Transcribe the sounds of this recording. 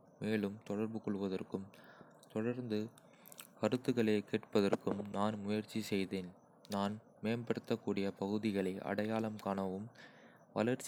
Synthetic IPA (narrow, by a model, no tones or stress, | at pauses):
meːɭɯmt̪ɔɽɐɾbɯkɔɭʋɐðɐrkɯm | t̪ɔɽɐɾnd̪ɯ | kɐɾɯt̪ːɯɣɐɭeːkeːʈpɐðɐrkɯmnaːnmʊjɐɾt͡ʃːisɛjðeːn | naːn | meːmbɐɽɯt̪ːɐkːuːɽɪjɐpɐɣɯðɪɣɐɭɐɪʔɐ̰ɽɐjaːɭɐmkaːnɐʋɯm | ʋɐlɐɾt͡ʃ